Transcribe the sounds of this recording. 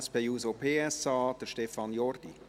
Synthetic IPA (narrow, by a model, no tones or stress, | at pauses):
sb̥ejuːsopʰeːɛsɑːd̥əɾʃtɛfɑnjɔrd̥ḭ